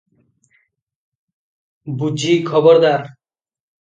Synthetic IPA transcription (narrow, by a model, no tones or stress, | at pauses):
bud͡ʒiːkʰɔbɔɾd̪aɾ